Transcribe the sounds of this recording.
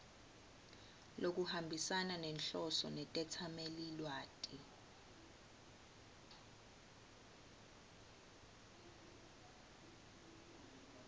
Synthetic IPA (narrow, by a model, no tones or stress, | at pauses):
lok̬uhambʱisananɛnɬɔsɔnɛtʼɛtʰamelilwaːtʼi